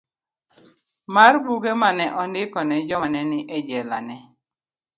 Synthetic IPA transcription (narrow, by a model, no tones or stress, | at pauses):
marbuɡemanɛʔɔndɪkɔnɛd͡ʒɔnɛnɪʔɛd͡ʒɛla̰nɛ